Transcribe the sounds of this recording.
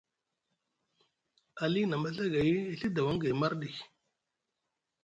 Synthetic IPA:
a˨li˦na˨ma˦ɬa˦ɡa˨ji˦ɬi˦da˨wa˦ŋɡa˨ma˦ɾɗi˨k

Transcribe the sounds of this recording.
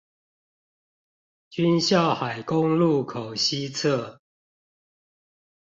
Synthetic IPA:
t͡ɕy˦nɕjɑ˥˨ʊxa˨˩ɪkʊ˦ŋlu˥˨kʰo˨˩ʊɕi˦t͡sʰə˥˨

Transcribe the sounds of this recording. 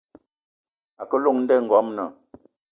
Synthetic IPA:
a˨kə˦lo˦˨ŋn̩˦dɛ˦˨ŋ̩˨ɡɔ˨˦mnə˨

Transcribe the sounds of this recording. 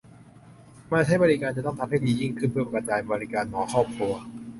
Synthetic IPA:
maː˥˩t͡ɕʰa˦˥˩jbɔː˧ɾi˦˧kaː˧nt͡ɕa˨˩t̪ɔ˥˩ŋt̪ʰa˧mha˥˩jdiː˧˩ji˥˩ŋkʰɯ˥˩npʰɯ˥˩pa˧˩ka˧t̪̚t͡ɕaː˧nbɔː˧ɾi˦˧kaː˧nmɔː˩˦kʰɔː˥˩p̚kʰu˧ɐ

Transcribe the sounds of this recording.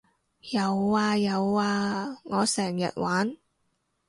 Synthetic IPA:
jɐ˨˧waː˧jɐ˨˧waː˧ŋɔː˨˧sɛː˨˩ŋjɐ̰˨t̚wʔaː˨˥n

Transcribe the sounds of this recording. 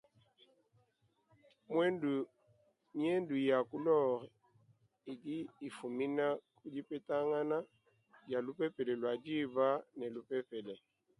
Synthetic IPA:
mwɛ˦ndu˨ | mi˦ɛ˦ndu˨ja˨ku˦lɔ˦˨ɾɛ˨ | i˨di˦i˨fu˨mi˦na˦kʼu˦d͡ʒi˦pɛ˦ta˦ŋa˦na˦ | d͡ʒa˨lu˦pɛ˦pɛ˨lɛ˨lwa˨d͡ʒi˦ba˦nɛ˨lu˨˦pɛ˦pɛ˨lɛ˨

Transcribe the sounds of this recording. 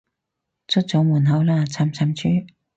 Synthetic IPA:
t͡sʰʊ˥t̚t͡so˨˥wmuː˨˩nɦɐ˨˧˥wlaː˥t͡sʰa˨˧˩mt͡sʰa˨˥mt͡ɕʰyː˥

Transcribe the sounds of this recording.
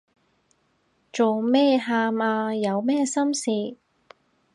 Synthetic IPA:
t͡ʃo˨wmɛː˥˧ɦaː˧maː˧jɐ˨˧wmɛː˥sɐ˥msiː˧

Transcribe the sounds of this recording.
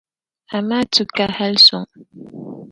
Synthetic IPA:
a˨ma˦t͡su˨ka˨ha˦lsʊ˨ŋ

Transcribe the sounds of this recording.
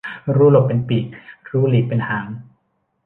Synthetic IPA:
ɾuː˦˥lo˨˩p̚ːe˧npiː˨˩k̚ɾuː˦˥liː˨˩pe˧nhaː˩˦ŋ

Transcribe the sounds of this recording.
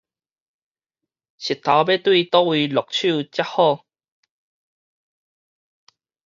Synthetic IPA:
ɕi˨˩t̪ʰːa˨˦wbe˦t̪wi˥˧t̪ɔ˥˦wi˧lɔ˨˩k̚t͡ɕʰu˥˧t͡ɕja˦˥hɔ˥˧

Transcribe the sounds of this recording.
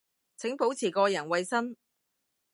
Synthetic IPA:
t͡sʰɪ˨˥ŋpo˨˥wt͡sʰiː˨˩kɔː˧jɐ˨˩nwɐ˨˧jsɐ˥n

